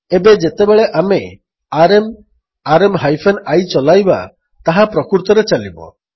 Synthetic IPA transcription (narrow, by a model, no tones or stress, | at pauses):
ebed͡ʒet̪ebeɭeʔame | aɾem | aɾemɦajpʰenajt͡ʃɔlajba̰ | t̪aɦapɾɔkuɾt̪ɔɾet͡ʃalibɔ̰